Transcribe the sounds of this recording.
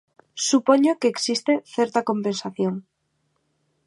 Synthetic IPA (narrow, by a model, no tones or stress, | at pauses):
supoɲokeːksist̪eθeɾt̪akompensaθjoŋ